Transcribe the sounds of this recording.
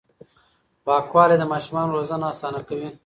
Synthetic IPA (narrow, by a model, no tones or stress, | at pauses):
pɑːkwɑːled̪əmɑːʃumɑːnɾozənaːsɑːnakawi